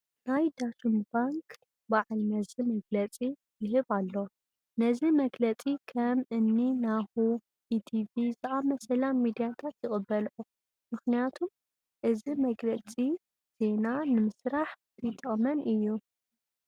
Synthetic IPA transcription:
najd̪at̪ʰumbaŋkʰ | baʕlnɐzimɐɡlɐt͡sʼi | jɪɦɨβalːo | nɐzimɐɡlɐt͡sʼikʰɐmɨnːinahu | ʔit̪ʰivizɨʔamɐsɐlammid̪ijat̪ʰat̪jɪxʼɨbːɐlʔu | mɨxnijat̪ʰum | ʔɨzimɐɡlɐt͡sʼi | z̥e̞nanɨmɨsɾaħt̪ʰɨjt̪ʼːɐχʼmɐnɨjːu

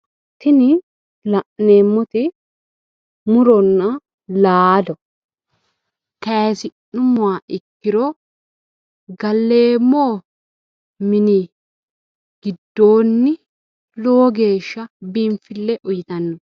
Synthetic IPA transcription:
t̪ɪnɪ | lɐʔneːmːɔt̪ɪ | mʊɾɔnːɐ | laːd̪ɔ | kɐːsɪnʊmʊwaːɪkːɪɾɔ | ɡɐlːeːmːoː | mɪnɪ | ɡ̥ɪd̪ːo̞ːnːɪ | loːɡe̞ːʃːɐbimfɪlːɛʔʊjɪt̪ɐnːɔ

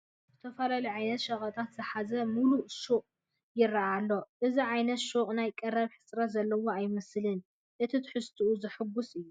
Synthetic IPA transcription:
zɨt̪ʰɐfɐlaliʕajnɐt̪ʃɐχʼɐt̪ʼʰat̪zɨħazɐmuluʃuqʼ | jɪrɐʔalːo̞ʔɨziʕajnɐt̪ʃuχʼnajkʼɐrɐβħɨ̥sɾɐt̪zɐlːɐwo̞ajmɐslɨn | ʔɨt̪ʰit̪ʰɨ̥ħɨst̪ʰuuzɨħɨɡusɨjːu

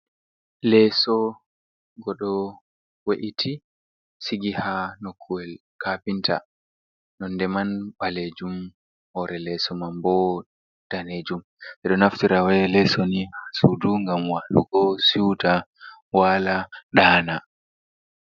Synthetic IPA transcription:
lɛsɔ | ɡɔɗɔ | waʔitʰi | siɡihanokʰːuwɛl | kapintʰa | nɔndɛmanɓaled͡ʒum | hɔɾɛlɛsɔmambɔ | d̥aned͡ʒum | sɛɗɔnaftiɾawɛlɛsonihasuduŋɡamwalṵɡɔsiwtawalaɗaːna

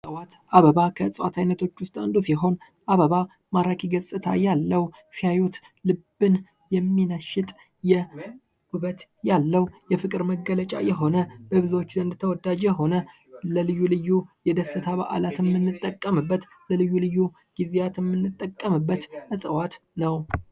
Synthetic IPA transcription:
sʼəwat̪ʔaβəβakʰəɨsʼəwat̪ʰajnət̪ʰo̞t͡ʃːwʊst̪ʼand̪usiɦo̞n | ʔaβəβa | maɾakʰiɡəsʼɨt̪ʰa̰jalːəw | sijajut̪ | lɨbɨn | jɛmːinəʃɪt̪ʼ | jɛ | huβət̪jalːəwjɛfɨkʼɨɾməɡːələt͡ʃʼa̰jɛɦo̞nəb̥əβɨzwot͡ʃːzənd̪t̪ʰəwɔd̪ad͡ʒɦo̞nə | ləlɨjːulɨjːujɛd̪əsɨt̪ʰaβaʔa̰lat̪ʰɛmːɨnːɨt̪ʼːəkʼːəmɨbːət̪ | ləlɨjːulɨjːu | ɡ̥izejat̪ʰjɛmːɨnːɨt̪ʼːəkʼːəmɨbːət̪ʔɨsʼəwat̪nəw

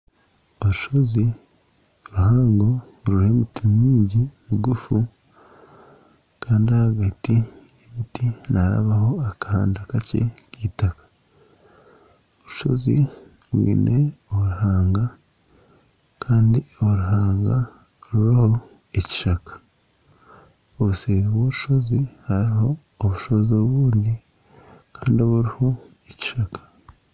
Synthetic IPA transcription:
o̞ɾuʃo̞zi | ɾuhaːŋɡo | ɾuɾe̞mutimɲiːɲɟimuɡufu | kaːndiahaɡati | eβitinaɾa̰βaho̞akaha̰ːndakace̞̰ciːtakḁ | oɾuʃo̞̰ziβwḭːne̞oɾuhaːŋɡa | kʰaːndioɾuɦaːŋɡa | ɾuɾaho̞ | eci̥ʃakḁ | oβuseːɾiβwoɾuʃo̞zihaɾiho̞ː | βuʃo̞zoβuːndi | kʰaːndioβuɾihoeci̥ʃakḁ

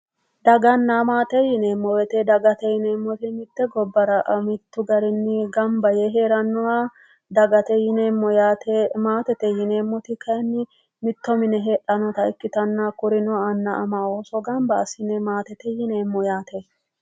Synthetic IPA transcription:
d̪ɐɡɐnːamaːt̪ɛjɪneːmːɔwɛt̪ɛd̪ɐɡɐt̪ɛjɪneːmːɔt̪ɪmɪt̪ːɛɡɔbːɐɾɐʔɐmɪt̪ːʊɡɐɾɪnːɪɡɐmbɐjɛɦe̞ːɾɐnːɔwa | d̪ɐɡɐt̪ɛjɪneːmːɔjat̪ɛmaːt̪ɛt̪ɛjɪneːmːɔt̪ɪkʰɐɛnːɪ | mɪt̪ːɔmɪnɛɦeːᶑɐnɔt̪ɐɪkːɪt̪ɐnːakʊɾɪnɔwːnːɐʔɐmaoːsɔɡɐmbɐːsɪnɛmaːt̪ɛt̪ɛjɪneːmːɔjaːt̪e

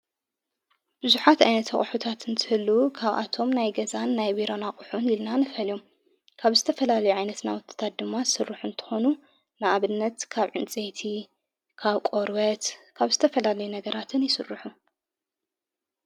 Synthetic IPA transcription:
b̥ɨzuħat̪a̰jnɐt̪ʰɐχʼʊħut̪ʰat̪ɨnt̪ʰɨhɨlːukʰaβʔa̰t̪ʰo̞mnajɡɐzanːajbiɾo̞naχʼʊħunilnanɨfɐljo̞m | kʰaβzɨt̪ʰɐfɐlalɐjuʕajnɐt̪nawʊt̪ʰʼːɨ̥t̪ʰat̪̚d̪ɨmːasɨrːɨħunt̪ʰɨ̥xo̞nu | nɨʔaβɨnːɐt̪kʰaβʕɨnt͡sʼet̪ʰi | kʰaβkʼoɾβɐt̪kʰaβzɨt̪ʰɐfɐlalɐjunɐɡɐɾat̪ʰɨnjɪsɨ̰rːɨħu

